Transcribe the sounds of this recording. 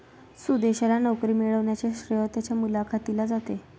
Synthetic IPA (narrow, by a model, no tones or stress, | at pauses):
sud̪eɕalanəwkɾiːmiɭəʋɳjat͡ɕeɕɾjot̪jat͡ɕjamulakʰat̪ilad͡zat̪e